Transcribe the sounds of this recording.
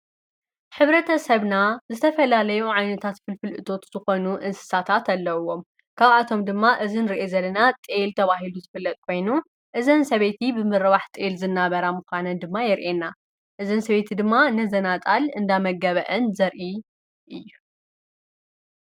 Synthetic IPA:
ħɨβɾɐt̪ʰɐsɐβnazɨt̪ʰɐfɐlalɐjuʕajnɐt̪ʰat̪fɨlfɨlʔɨt̪ʰo̞t̪z̥ɨxo̞nuʔɨnsɨ̥sat̪ʰat̪alːɐwo̞m | kʰaβat̪ʰo̞md̪ɨmːaʔɨzinɨɾiʔezɐlːɐnat̪ʼelt̪ʰɐβaɦiluzɨfɨlːɐt̪̚ʼkʰo̞jnu | ʔɨzɐnsɐβe̞t̪ʰibɨmɨɾɐβaħt̪ʼelzɨnːaβɐɾamɨxʷanɐnd̪ɨmːajɪɾʔenːa | ʔɨzɐnsɐβe̞t̪ʰid̪ɨmːanɐzɐnat̪ʼalɨnd̪amɐɡɐβɐʔɐnzɐɾʔi | ʔɨjːu

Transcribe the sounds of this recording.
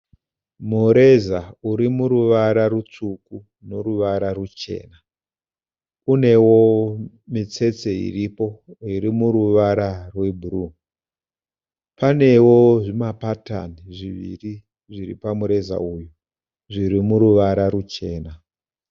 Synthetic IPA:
muɾe̞zauɾimuɾuʋaɾarut͡ʂuku | no̞ɾuʋaɾarut͡ʃe̞̰ːna | une̞wo | mit͡se̞t͡se̞ḭripo̞irimuɾuʋaɾarwebʱuru | pane̞wo̞ʐimapata̰niʐiʋḭri | ʐirḭpamuɾe̞za̰uju | ʐiɾimuɾuʋaɾaɾut͡ʃe̞ːna

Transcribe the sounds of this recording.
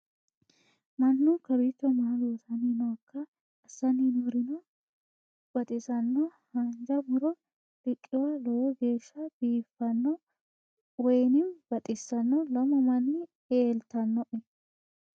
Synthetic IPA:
mɐnːukɐbɪt͡ʃːɔmalosɐninɔɐkʰːɐ | ɐsːɐninɔɾɪnɔ | b̥ɐt̪ʼɪsɐnːɔhɐnd͡ʒɐmʊɾɔ | d̪̥ɪkʼːɪwɐlɔwɔɡe̞ːʃːɐb̥iːfːɐnːɔ | wɔjnɪmb̥ɐt̪ʼɪsːɐnːɔlɐmɔmɐnːɪ | eːlt̪ɐnːɔʔɛ

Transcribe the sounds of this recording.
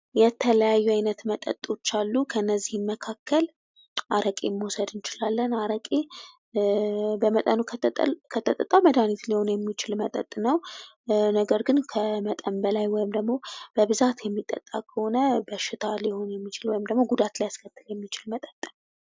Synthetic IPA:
jɛt̪ʰələjajːuajnət̪mət̪ʼːə̰t̪ʼo̞t͡ʃːalːukʰəɨnːəzːihɨnməkʰakʰːəl | ʔaɾəkʼemːwosəd̪ɨnt͡ʃɪlalːənaɾəkʼe | bəmət̪ʼənukʰət̪ʰʼːət̪ʼət̪ʼːaməd̪anit̪liho̞njɛmːit͡ʃɪlmət̪ʼə̰t̪ʼnəw | nəɡəɾɡɨnkʰəmət̪ʼəmbəlajwɔjɪmd̪əɡmo̞b̥əβɨzat̪jɛmːit̪ʼːə̰t̪ʼːa̰kʰəho̞nəbəʃːɪt̪ʰaliho̞njɛmːit͡ʃɪlwɔjɪmd̪əɡmo̞ɡud̪at̪lajaskʰət̪ːɨljɛmːit͡ʃɪlmət̪ʼət̪ʼː

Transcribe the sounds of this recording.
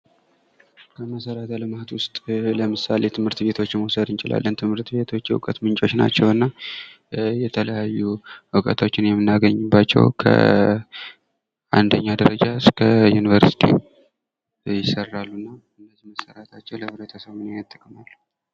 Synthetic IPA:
kʰəməsəɾat̪ʰaləmahat̪wʊst̪ʼləmɨsalet̪ʰɨmhɨɾt̪be̞t̪ʰo̞t͡ʃːmwosəd̪ɨnt͡ʃɪla̰lːənt̪ʰɨmhɨɾt̪be̞t̪ʰo̞t͡ʃːjɛwṵkʼət̪mɨnt͡ʃʼo̞t͡ʃna̰t͡ʃːɛwɨnːa | jɛt̪ʰələjajːuʔɨkʼət̪ʰo̞t͡ʃːɪnjɛmːɨnːaɡəɲːɨbːat͡ʃːɛ̰wkʰə̰ | ʔand̪əɲːad̪əɾəd͡ʒaskʰəjunivəɾsi̥t̪ʰḭ | jɪsərːalːunːa | ɨndəzihməsəɾat̪ʰat͡ʃːɛwləβɾət̪ʰəsəβɨneat̪ʼːəkʼːəmalːu

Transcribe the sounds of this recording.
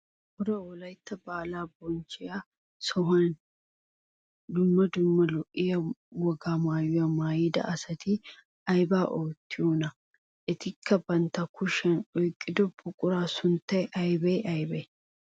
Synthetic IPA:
hɔɾɐwɔlɐjt̪ːɐbaːlaːbɔnt͡ʃɪja | sɔɦɐn | d̪ʊmːɐd̪ʊmːɐlɔʔɪjɐwɔɡaːmaːjʊjɐmaːjɪd̪ɐ̰ʔɐsɐt̪ɪ | ɐjbaːʔoːt̪ːɪɔnɐ | ʔɪt̪ɪkʰːɐbɐnt̪ɐkʰʊʃɛnɔjkʼːɪd̪ɔbʊkʼʊɾaːsʊnt̪ːɐjʔɐjbɛjʔɐjbɛ

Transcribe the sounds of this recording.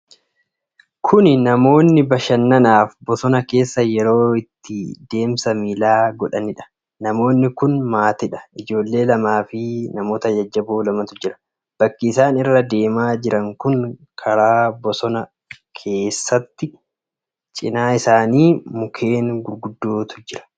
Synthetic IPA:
kʰʊnnɐmo̞ːnːɪbɐʃɐnːɐnaːfbɔsɔnɐke̞ːsːɐjɛɾo̞ːɪt̪ːɪd̪e̞ːmsɐmiːlaːɡɔᶑɐnɪᶑɐ̥ | nɐmo̞ːnːɪkʊnmaːt̪ɪᶑɐ̥ʔɪd͡ʒo̞ːlːe̞ːlɐmaːfɪnɐmo̞ːt̪ɐjɐd͡ʒːɐboːlɐmɐt̪ʊd͡ʒɪɾɐ̥ | b̥ɐkːɪsaːnɪrːɐd̪e̞ːmaːd͡ʒɪɾɐŋkʊŋkʰɐɾaːbɔsɔnɐ | kʰe̞ːsːɐt̪ːɪ | t͡ʃʼɪnaːɪsaːniːmʊkʰe̞ːnɡʊɾɡʊd̪ːoːt̪ʊ̥d͡ʒɪɾɐ̥

